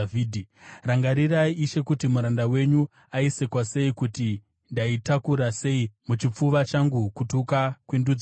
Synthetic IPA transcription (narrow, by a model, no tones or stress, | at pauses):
iːdʱiraŋɡaɾiraiʔːʃe̞kutimuɾandawe̞ɲu | aise̞kwase̞ikuti | ndaitakuɾase̞imut͡ʃip͡fuʋat͡ʃaŋɡukutukakwindud͡z